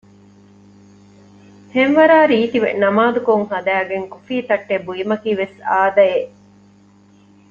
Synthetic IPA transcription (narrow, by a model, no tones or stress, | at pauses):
henʋɐɾaːɾiːt̪iʋḛnɐmaːd̪ukoŋɦɐd̪æːɡeŋkufiːt̪ɐʈːebujimɐkiːʋesaːd̪ɐe